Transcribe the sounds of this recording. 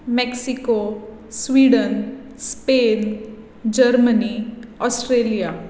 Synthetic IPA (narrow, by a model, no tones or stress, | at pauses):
mɛksiko | sʋiːɖən | speːn | d͡ʒəɾməniɔːsʈɾeːlijaː